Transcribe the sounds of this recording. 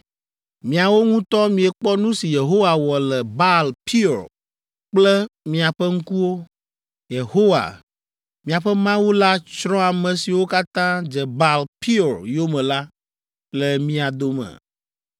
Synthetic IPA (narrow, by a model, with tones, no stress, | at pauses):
mĩ˨a˨wo˦ŋũ˦t̪ɔ˦mĩ˨ɛ˨k͡pɔ˦nũ˦si˨je˨ɦo˦wa˨wɔ˨lɛ˨ba˦lpʰi˦˨ɾ | k͡plɛ˦mĩ˨a˨ɸɛ˦ŋ̩˦ku˦wo˦ | je˨ho˦wa̰˨ | mĩ˨a˨ɸɛ˦mã˦wo˦la˦t͡ʃɾɔ̃˦a˨mɛ̃˨si˨wo˦ka˦t̪ã˦d͡ʒɛ˨ba˦lpi˦˨ɾjo˦mɛ̃˨la˦ | lɛ˨mĩ˦a˨d̪o˨mɛ̰̃˨